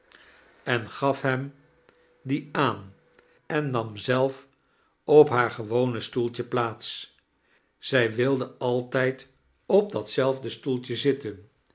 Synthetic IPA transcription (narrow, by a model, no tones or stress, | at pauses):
ɛnχɑfɦɛm | diaːn | ɛnːɑmzɛlˠf | ɔpɦaːɹχəʋownəstulˠtəplaːts | z̥ɛjʋɪlˠdəɑlˠtɛjt | ɔb̚dɑtsɛlˠvdəstulˠtəzɪtən